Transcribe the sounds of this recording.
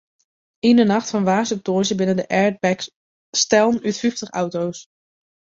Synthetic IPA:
ejnəɹnɑχtfɑnʋaːsəp̚tɔːʒəbɪnəndəʔɛɹd̚bɛk | stɛlˠnytfyftəχɑ̰wtows

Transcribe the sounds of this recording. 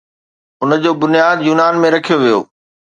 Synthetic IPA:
ʊnə̆d͡ʑoːbʊnɪjaːd̪juːnaːnmẽɾɐkʰijoʋijo̰ː

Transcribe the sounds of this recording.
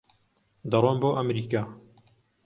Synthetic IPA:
d̪ɑɾˤonboːʔɐmɾiːkaː

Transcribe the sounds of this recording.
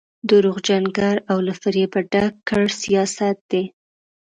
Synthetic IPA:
d̪əɾuɣd͡ʒaŋɡaɾawlafɪɾjepəɖakkːəɽsijɑsat̪̚d̪̥e

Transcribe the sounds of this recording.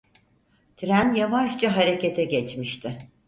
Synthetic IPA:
t̪ʰɾænjavaʃt͡ʃaɦaɾe̞cʰet̪ʰɛɟɛt͡ʃmiʃt̪ʰɪ

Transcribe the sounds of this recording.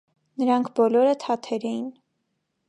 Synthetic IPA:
nəɾɑŋkʰbɔlɔɾət̪ʰɑt̪ʰɛɾɛjin

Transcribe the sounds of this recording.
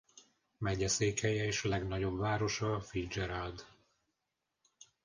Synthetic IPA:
mɛɟɛseːkhɛjɛeːʃlɛɡn̪ɒɟo̞bvaːɾo̞ʃɒfid͡ʒɛɾald̪

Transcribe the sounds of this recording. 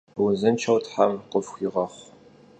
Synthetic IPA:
wzɨnt͡ʃʰɐwtʰħamqʼəfxʷiʁɐχʷ

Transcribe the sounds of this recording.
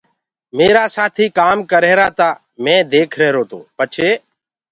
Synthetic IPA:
meːɾaːsaːt̪ʰiːkaːmkəɾeːɾaːt̪aː | mɛ̃ːd̪eːkʰɾɛːɾoːt̪o̰ːpət͡ʃʰeː

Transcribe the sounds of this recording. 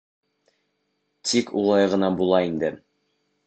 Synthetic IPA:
t̪ʰikʰṵlˠɑjʁɤ̆nɑbulˠɑind̪ɘ

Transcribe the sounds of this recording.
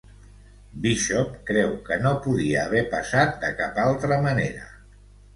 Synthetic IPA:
biʃɔpkɾɛwkənopuðiəːβɛpəsat̪̚d̪əkapalˠt̪ɾəmənḛɾə̰

